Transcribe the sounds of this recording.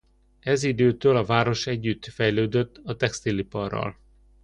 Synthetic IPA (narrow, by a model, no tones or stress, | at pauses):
ɛzid̪øːt̪øːlɒvaːɾo̞ʃɛɟːyt̪ːfɛjløːd̪øt̪ːɒt̪ɛkst̪ilipɒrːɒ̰l